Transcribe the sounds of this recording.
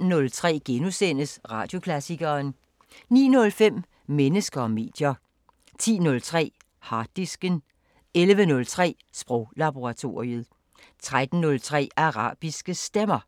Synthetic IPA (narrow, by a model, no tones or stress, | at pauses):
nɔ̽lt͡sʰʁɛ̰ːɡ̥enusen̰əsʁɑ̈ːd̥jo̝kʰlæsiɡ̥ɐːn | nḭːnɔ̽lfem̰ | menəsɡ̥ɐɒme̝̰ːd̥jɐ | t͡sʰḭːnɔ̽lt͡sʰʁɛ̰ː | hɑ̈d̥isɡ̥ən | elʋənɔ̽lt͡sʰʁɛ̰ː | sb̥ʁɔʊlɑb̥o̝ʁɑt͡sʰo̝ʁiəð̩ˠ | t͡sʰʁad̥n̩nɔ̽lt͡sʰʁɛ̰ːɑ̈ʁɑ̰̈ːb̥isɡ̥əsd̥emɐ